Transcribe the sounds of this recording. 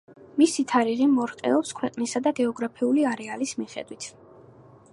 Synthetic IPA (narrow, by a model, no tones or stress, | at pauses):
misit̪ʰaɾiʁimɔɾq̪ʼɛ̰ɔpskʰwɛqʼnisad̪aɡɛɔɡɾapʰiuliaɾɛalismiχɛ̰d̪wit̪ʰ